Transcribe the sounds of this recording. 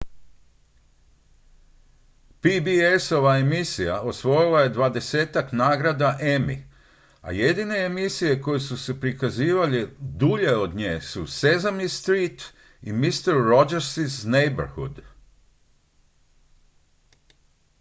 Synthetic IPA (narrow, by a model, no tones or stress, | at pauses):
pibieso̞ʋaemisijao̞sʋo̞jilˠaje̞d̪ʋad̪e̞se̞ːt̪aknaːɡɾad̪aʔemḭ | a̰je̞d̪ine̞emisije̞ko̞jesuse̞pɾikaziːʋalid̪uʎe̞o̞d̪ɲḛːsusezamist̪ɾiːt̪ | imist̪eɾːod͡ʒeɾsiznejbaɾhṵd̪